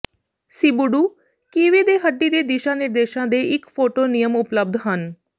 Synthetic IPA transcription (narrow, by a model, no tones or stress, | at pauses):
siːbʊɖuː | kiːʋeːd̪eːɦəɖːiːd̪eːd̪ɪʃãːned̪eːʃãːd̪eːɪkpʰoːʈoːnijəmʊpləb̚d̪ɦən